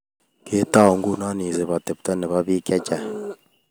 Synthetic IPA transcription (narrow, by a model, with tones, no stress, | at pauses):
ke˦ta˦˨o˨ŋɡu˦na˦ni˨zɛ˨βa˨tɛ˨pu˨ta˦nɛ˨βa˦βi˦kɛ˦t͡ʃa˨